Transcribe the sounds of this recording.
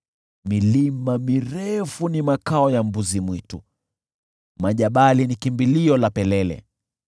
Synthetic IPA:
milimamiɾɛfunimakaɔjambuzimwitu | maʄaɓalinikimbiliɔlapɛlɛlɛ̰

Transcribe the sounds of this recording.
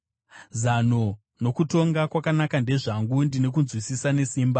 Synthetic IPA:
zano | no̞kuto̞ŋɡakwakanakande̞ʐaŋɡundine̞k̬unzwisisane̞siːmba

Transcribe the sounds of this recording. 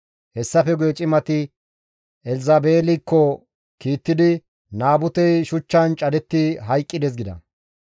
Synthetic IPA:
hɛsːɐfɛɡʊjɛt͡ʃʼɪmɐt̪ɪ | ɛlɪzɐbeːlɪkːɔ | kiːt̪ːɪd̪ɪ | naːbʊt̪ɛjʃʊt͡ʃːɐnt͡ʃʼɐd̪ɛt̪ːɪɦɐjkʼːɪd̪ɛs̬ɡɪd̪ɐ̰

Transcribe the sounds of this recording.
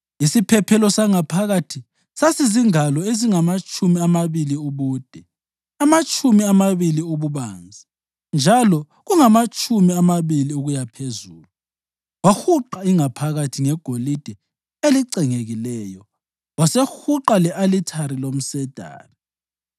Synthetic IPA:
isipʰɛpʰɛlɔsaŋapʰaɣatʰi | sasiziŋalɔeziŋamat͡ʃʼʰumiamaβiliuβuːd̥ʱɛ | amat͡ʃʼumiamaβiliuβuβaːnd͡zʱi | nd͡ʒʱalɔ | ɣuŋamat͡ʃʼʰumiamaβiliuɣujapʰezuːlu | waxuǃaiŋapʰaɣatʰiŋɛɡ̥ʱolid̥ʱɛ | eliǀɛŋeɣilɛːjɔ | wasexuǃalɛʔalitʰaɾilom̩sɛd̥ʱa̰ːnɔ

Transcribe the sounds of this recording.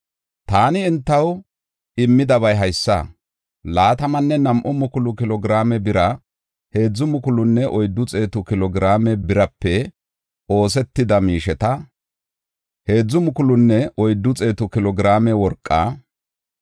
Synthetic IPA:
t̪aːnɪːnt̪ːɐw | ɪmːɪd̪ɐβɐjɦɐjsːɐ̰ | laːt̪ɐmɐnːɛnɐmʔɔmʊkʊlʊkɪlɔɡɪɾaːmɛbɪɾɐ | he̞ːd͡zːʊmʊkʊlʊnːɛʔɔjd̪ːʊt͡sʼe̞ːt̪ʊkɪlɔɡɪɾaːmɛbɪɾɐpːɛ | o̞ːsɛt̪ːɪd̪ɐmiːʃɛt̪ɐ | he̞ːd͡zːʊmʊkʊlʊnːɛʔɔjd̪ːʊt͡sʼe̞ːt̪ʊkɪlɔɡɪɾaːmɛwɔɾkʼːa̰ː

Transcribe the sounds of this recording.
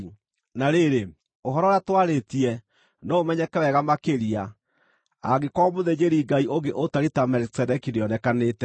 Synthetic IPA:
naɾeɾe | oɦɔɾɔɾjatwaɾetiɛ | noomɛɲɛkɛwɛɣamakeɾia | a̰ɡekɔmoðeɲeɾiɡaiʔoɡeʔotaɾitamɛlksɛdɛkineɔnɛkaneːtɛ

